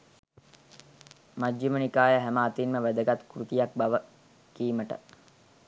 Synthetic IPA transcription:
mad͡ʒːimənikaːjəɦæmaːt̪inməʋæd̪əɡat̪kuɾut̪ijak̚baʋə | kiːməʈə̰

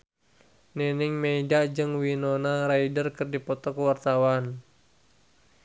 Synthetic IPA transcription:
nɛniŋmɛidad͡ʒɨŋwinonaɾaidərkɨrdipɔt̪ɔkəwart̪awan

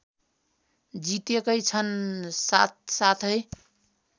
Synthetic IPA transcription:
d͡ʒit̪ekəjt͡ʃʰənsat̪̚sat̪ʰɦəj

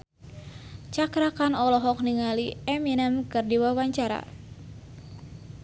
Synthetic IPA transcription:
t͡ʃakɾakanɔlɔɦɔk̚niŋaliɛminɛmkɨrdiwawaɲt͡ʃaɾa̰

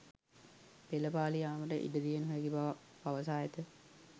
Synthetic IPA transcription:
peləpaːlijaːməʈəʔḭdəd̪ijenɦojeɡibaʋapaʋəsaːjet̪ə

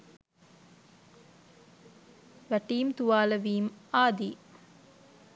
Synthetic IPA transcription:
ʋæʈiːmt̪uʋaːləʋiːmaːd̪iː

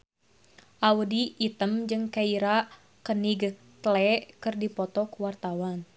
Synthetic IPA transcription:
ʔawudiːt̪əmd͡ʒɨŋkaiɾa | kəniɡ | t̪əlɛkɨrdipɔt̪ɔkuwart̪awan

